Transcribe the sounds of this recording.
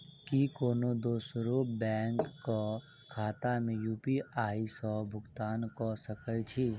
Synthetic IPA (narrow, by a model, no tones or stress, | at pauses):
kikoːnod̪oːsɾoːbɛːŋkːɔ | kʰaːt̪amẽjuːpiʔaːisɔbʱʊɡt̪aːnkɔsəkəjt͡ʃʰiː